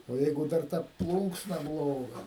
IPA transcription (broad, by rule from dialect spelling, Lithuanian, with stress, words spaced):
oː ˈjɛɪɡʊ ˈdɐr tɐ ˈplˠuːŋksnɐ ˈblˠoːɡɐ